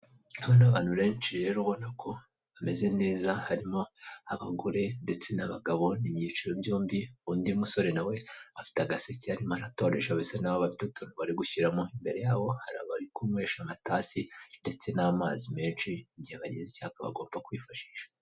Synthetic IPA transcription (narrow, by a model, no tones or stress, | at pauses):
aβonaβaːn̥uɾe̞ːnt͡ʃiɾe̞ɾohonakʰo̞ | ame̞ze̞ne̞ːzahaɾimo̞aβaɡo̞ɾe̞nde̞t͡se̞naβaɡaβo̞nimɲit͡ʃiɾobjuːmbiundimuso̞ɾe̞nawe̞afi̥taɡaseciaɾimoaɾato̞ɾeʃaβesenaβaβafitutunuβaɾiɡuçiɾamo̞imbe̞ɾe̞jaːβo̞haɾa̰βaɾikumŋwe̞ːʃamataːsinde̞t͡se̞namaːzime̞ːnʃiɲɟiheβaɟezicohakaβa̰ɡo̞ːmbakwiːfaʃi̥ːʃḁ